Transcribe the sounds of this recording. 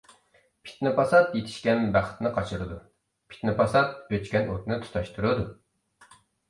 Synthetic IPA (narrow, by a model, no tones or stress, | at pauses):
pʰi̥t̪nɨpʰɑsɑt̪jet̪ʰɪ̥ʃkʲɛnbæχt̪nɨqʰɑt͡ʃʰɨɾɨd̪u | pʰi̥t̪nɨpʰɑsɑt̪̚øt͡ʃkʲɛnʔot̪nɨt̪ʰu̥t̪ʰɑʃt̪ʰuɾɨd̪u